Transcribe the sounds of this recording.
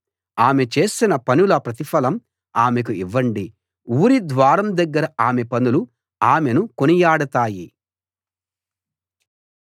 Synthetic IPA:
aːme̞t͡ʃe̞ːsinɐpɐnulɐpɾɐt̪ipɐlɐm | aːme̞k̬uiʋːɐɳɖi | uːɾid̪ʋaːɾɐmd̪ɐɡːɐɾɐaːme̞pɐnulu | aːme̞nukonijaːɽɐt̪aːji

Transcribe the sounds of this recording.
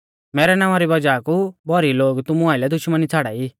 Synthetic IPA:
mɛːɾɛnãːʋ̃ãɾibɐd͡ʒaːkubɔɾiloːɡt̪ʊmũaːɪlɛd̪ʊʃmənit͡sʰaɽa̰ːi

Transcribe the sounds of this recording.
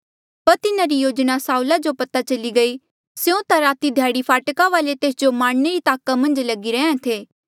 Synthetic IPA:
pɐɾt̪ɪnaɾijoːd͡ʒnasaːulad͡ʒopɐt̪at͡ʃɐliɡɐi | seõt̪aɾaːt̪id̪ʱjaːɽipʰaːʈkaʋaːlet̪eːsd͡ʒomaːɽneɾit̪aːkamɐ̃nd͡ʒlɐɡiɾɛẽt̪ʰeː

